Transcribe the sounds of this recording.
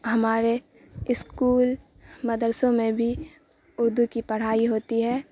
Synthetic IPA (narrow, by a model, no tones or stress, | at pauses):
ɦɐmaːɾe | ɪskuːl | mɐd̪əɾsõmẽbʱi | ʊɾd̪ukipɐɽ̤aːiɦoːt̪iɦɛː